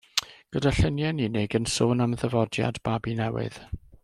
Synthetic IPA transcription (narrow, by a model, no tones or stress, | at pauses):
ɡ̥ədaɬənjɛninɪɡənsoːnamðəvɔdja̰db̥abinɛwɪ̰ð̥